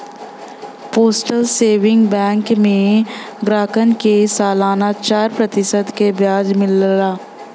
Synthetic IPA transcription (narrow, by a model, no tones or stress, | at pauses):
poːsʈəlseːʋɪ̃ŋɡbɛ̃ːŋkmẽ | ɡɾaːkənkesaːlaːnat͡ʃaːɾpɾɐt̪ɪsəd̪kebjaːd͡ʒmɪlɾaː